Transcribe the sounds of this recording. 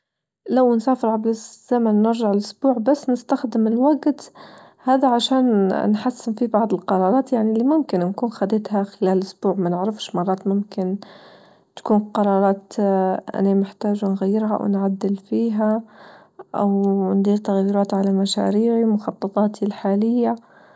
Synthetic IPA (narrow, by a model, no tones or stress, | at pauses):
lawnsaːfɪɾʕablɪz̥amanːɪɾʒaʕɪlʔʊsbuːʕbasːnɪst̪axd̪ɪmɪlwaɡt̪ | haːd̪aʕaʃaːnnħasːɪnfibɑʕd̪ˤɨlqɑɾˤɑːɾˤɑːt̪jaʕnilːimʊmkɪnnkuːnxad̪eːt̪haxɪlæːlʔʊsbuːʕmanɪʕɾɪfʃmɑrˤːɑːt̪mʊmkɪn | t̪ḁkuːnqɑɾˤɑːɾˤɑːt̪ʔa̰nemɪħt̪aːʒnɣajːɪɾɦaʔa̰wnʕad̪ːɪlfiːɦa | ʔa̰wnd̪ˤiːɾt̪aɣjɪɾɑːt̪ʕalamaʃa̰ːɾiːʕimʊxɑt̪ˤːɑt̪ˤɑːt̪ʰilħaːlɪjːa